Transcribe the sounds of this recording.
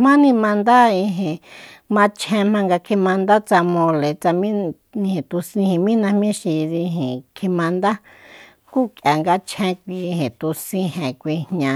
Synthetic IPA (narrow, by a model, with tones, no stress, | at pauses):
mã˦nĩ˧mã˧nd̪a˦i˧ɦẽ˨ | mã˧t͡ʃʰẽ˧mã˧ŋɡa˧kʰi˧mã˧nd̪a˦t͡sa˧mõ˧le˨t͡sa˧mĩ˦ | ĩ˧hẽ˨t̪u˧sĩ˧hĩ˨mĩ˦nã˧mĩ˦ʃi˧ði˧ɦẽ˨kʰi˧mã˧nd̪a˦ | ku˦kja˨ŋɡa˧t͡ʃʰẽ˧˦kʷi˧hẽ˨t̪u˧sĩ˧hẽ˨kʷi˧ɲɲã˧